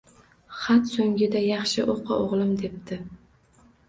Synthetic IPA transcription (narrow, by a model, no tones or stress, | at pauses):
χat̪soŋɡʲɪd̪ajɑχʃɪʔoqʰɑ̰ʔoʁlˠɪmd̪e̞p̚t̪ɪ